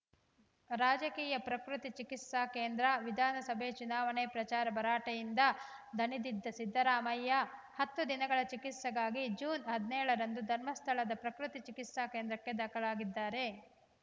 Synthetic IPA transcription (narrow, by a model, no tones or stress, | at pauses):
ɾaːd͡ʒɐkiːjɐpɾɐkɾut̪it͡ʃikit̪saːkeːnd̪ɾɐʋid̪ʱaːnɐsɐbʱet͡ʃunaːʋɐɳepɾɐt͡ʃaːɾɐbʱɐɾaːʈɐjind̪ɐd̪ʱɐnid̪id̪ːɐsid̪ʱːɐɾaːmɐjːɐ | hɐt̪ːud̪inɐɡɐɭɐt͡ʃikit̪sɐɡaːɡid͡ʒuːnɦɐd̪nɛːɭɐɾɐnd̪ud̪ʱɐɾmɐst̪ʰɐɭɐd̪ɐpɾɐkɾut̪it͡ʃikit̪saːkeːnd̪ɾɐkːe̞d̪ɐkɐɭaːɡid̪ːaːɾe̞